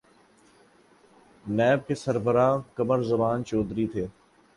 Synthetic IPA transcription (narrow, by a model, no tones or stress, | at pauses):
nɛːb̚kesəɾbəɾaːkəməɾzəbaːnt͡ʃɔːd̪ɾit̪ʰeː